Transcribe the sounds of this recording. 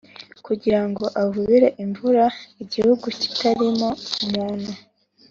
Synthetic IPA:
kuɟiɾaŋɡo̞ʔavuβiɾeʔiɱvuɾaiɟihuɡuci̥taɾimo̞umuːn̥hu

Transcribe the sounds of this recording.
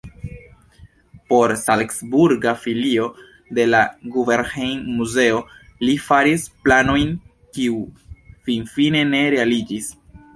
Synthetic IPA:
po̞ɾsalksbuɾɡafilio̞ | de̞laɡuve̞ɾhejnmuze̞o̞lifaɾisplano̞jn | kiufinfine̞ne̞ɾe̞alid͡ʒis

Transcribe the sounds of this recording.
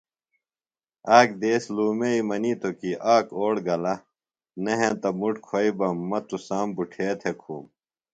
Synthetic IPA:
aːk̚d̪eːsluːmeimɐnit̪okiʔaːkoːɽɡɐlɐ | nɐɦẽt̪ɐmuʈkʰoibɐmːɐt̪usaːmbuʈʰeːt̪ʰekʰṵːm

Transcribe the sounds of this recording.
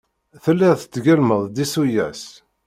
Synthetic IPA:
θəlːɪʁθət͡s̪ːɡælməðˤd̪isujæ̰s

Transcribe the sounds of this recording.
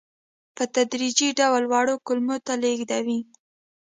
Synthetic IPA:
pət̪ad̪ɾid͡ʒiɖawlwɑɽokʊlmot̪aleɡd̪awi

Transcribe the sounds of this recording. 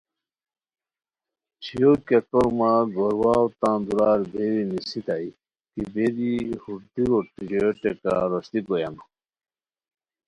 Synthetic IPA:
t͡ɕʰijokɛkɔɾmaɡɔɾwawt̪ãd̪uɾaɾbeɾinisit̪aj | kibed̪ihuɾd̪iɾɔʈːid͡ʑɔjɔʈɛka̰ɾɔst̪ikɔjan

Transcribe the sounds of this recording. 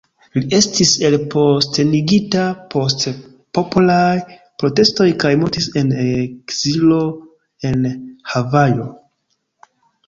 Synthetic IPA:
lie̞stise̞lpʰo̞ste̞niɡitapʰo̞st | populaj | pɾo̞te̞sto̞jkajmuɾtise̞nekz̥ilo̞ | e̞nhavajo̞

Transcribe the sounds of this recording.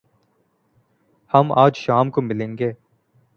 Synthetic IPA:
hɐmaːd͡ʒʃaːmkomɪlẽːŋɡeː

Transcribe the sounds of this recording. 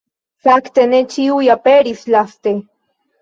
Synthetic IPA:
sakt̪enet͡ʃiujapeɾislast̪e

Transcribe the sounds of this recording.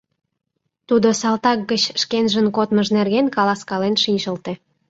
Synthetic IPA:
t̪ud̪osɑlt̪ɑk̚ɡət͡ɕʃkenʒənkot̪məʒnerɣenkɑlɑskɑlenʃinʲʃəlt̪ĕ

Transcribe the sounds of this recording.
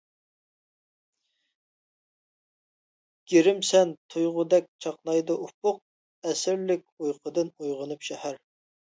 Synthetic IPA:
ɡ̥ʲeɾɪmsɛnt̪ʰujʁʊd̪ɛk̚ʲt͡ʃʰɑqnɑjd̪ɨʔup̚ʊq̚ | ɛsɪɾlɪkʲujqʰəd̪ɨnujʁənɨpʃɛhæɾ

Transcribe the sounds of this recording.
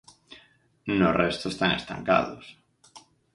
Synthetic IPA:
norest̪oest̪aŋest̪ã̰ŋka̰ðos

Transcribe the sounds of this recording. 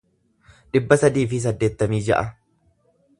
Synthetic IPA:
ᶑɪbːɐsɐd̪iːfɪs̬ɐd̪ːeːt̪ːɐmiːd͡ʒɐ̰ʔɐ

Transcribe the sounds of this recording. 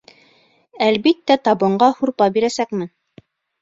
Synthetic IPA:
ælbit̪ːæt̪ɑbɤ̆ɴɢɑhuɾpɑbiɾæsækmɘn

